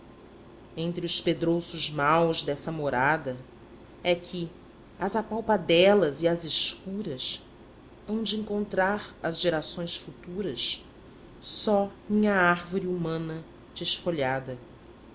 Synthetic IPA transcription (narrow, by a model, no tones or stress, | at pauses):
ẽnt̪ɾiʊsped̪ɾosʊzmawzd̪ɛsɐmoɾad̪ɐ | ɛkʰi | ɐzapawpad̪ɛlɐziɐziʃkuɾɐs | ɐ̃w̃d͡ʒɪĩŋkõnt̪ɾaɾɐzʒeɾasõj̃sfut̪uɾɐs | sɔmĩɲɐaɾvoɾiumɐ̃nɐ | d͡ʒɪʃfoʎad̪ɐ